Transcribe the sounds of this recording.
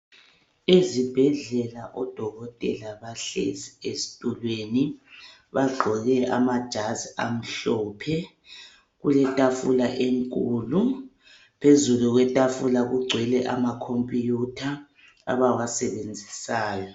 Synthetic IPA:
ezib̥ʱɛɮɛlaʔɔd̥ʱɔɣɔtʼɛlaβaɬḛziesi̥tʼulweni | βaɡ͡ǃʱɔɣɛʔa̰mad̥ʒ̥ʱaza̰m̩ɬɔːpʰɛ | ɣulɛtʼafulaʔeŋkʼuːlu | pʰezuluɣwɛtʼafulaɣuɡ͡ǀʱwɛlɛʔamakʰompʼijutʰa̰ː | βawasɛβend͡zʱisaːjɔ

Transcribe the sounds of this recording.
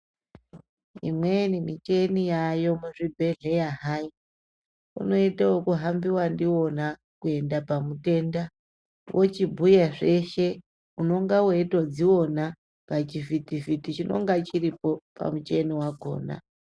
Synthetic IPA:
ḭmwenimit͡ʃe̞nijajo̞muʐibʱe̞ɮe̞jaɦai | ṵno̞itawokuɦambiwandiwo̞na | kue̞ndapamute̞nda | wʔot͡ʃibʱujaʐe̞ʃe̞ | uno̞ŋɡawoitod͡ziwo̞na | ŋɡat͡ʃivitivitit͡ʃino̞̰ŋɡat͡ʃiripo̞pa̰mut͡ʃe̞niwako̞̰ːna̰

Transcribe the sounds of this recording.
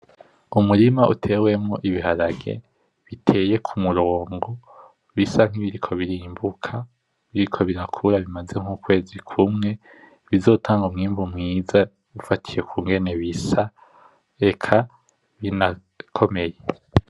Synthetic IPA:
umuɾimaʔutʰe̞ːwe̞mŋoʔiβiɦaɾaɡe̞̰ | βitʰe̞ːje̞kʰumuɾoːŋɡo | βisaŋ̥iβiɾikʰo̞βiɾiːmbukʰa | βiɾikʰo̞βiɾakʰuɾaβimaze̞ŋ̥ukwe̞ːzikʰumŋe̞ | βizo̞ːtʰaːŋɡumŋiːmvumŋiːza | ufatʰije̞kuːŋɡe̞ne̞βisa | e̞kʰa | βina | kʰo̞me̞je

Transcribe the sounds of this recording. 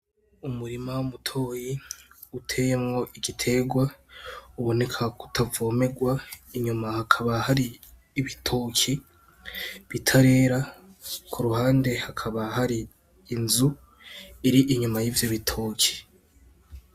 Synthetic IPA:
umuɾimawumutʰo̞ːji | utʰe̞ːjemŋo̞ʔiɡitʰe̞ɡwauβo̞ne̞kʰaku̥tʰavo̞ːme̞ɡwaiɲumahakʰaβahaɾiː | βitʰoːkʰi | βitʰaɾe̞ːɾakʰuɾuhaːnde̞hakʰaβaɦaɾiː | nzu | iɾiʔiɲumajiːvjoβitʰokʰi̥

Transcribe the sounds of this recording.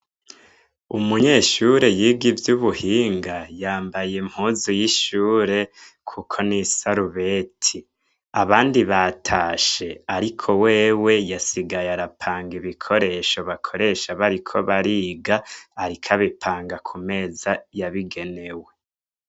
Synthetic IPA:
umuɲe̞ːʃuɾe̞jiːɡivjuβuhiːŋɡajaːmbajem̥huzujiʃuːɾe̞ | kʰukʰo̞nisaɾuβe̞tʰi | aβaːndiβatʰaːʃe̞aɾikʰo̞we̞ːwe̞jasiɡajaɾapʰaːŋɡiβikʰo̞ɾe̞ʃo̞βakʰo̞ɾe̞ʃaβaɾikʰo̞βaɾiːɡaːɾikʰaβipʰaːŋɡakʰume̞ːzajaβiɡe̞ne̞we̞

